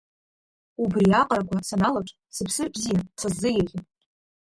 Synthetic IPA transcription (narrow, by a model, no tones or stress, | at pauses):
ubriaqʼɾakʷʰasanalaʈ͡ʂʷʼ | sɨpʰsɨrbzijat͡sʰazːɨjaɣʲɪ